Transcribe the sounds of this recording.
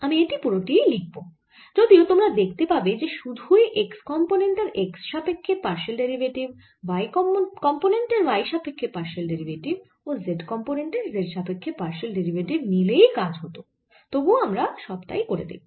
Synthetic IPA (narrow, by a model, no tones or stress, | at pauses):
amieʈipuɾoʈielik̚bo | d͡ʑod̪iot̪omɾad̪ek̚ʰt̪epabed͡ʑeʃud̪ʱueʔekskɔmponeɳʈeɾʔeksʃapekʰːepaɾʃelɖeɾibʱeʈib | bajkɔkɔmponeɳʈeɾbajʃapekʰːepaɾʃelɖeɾibʱeʈib | ozeɖkɔmponeɳʈeɾzeɖʃapekʰːepaɾʃelɖeɾibʱeʈibnilejkad͡ʑɦot̪o | t̪obuamɾaʃɔbt̪a̰jkoɾḛd̪ḛbo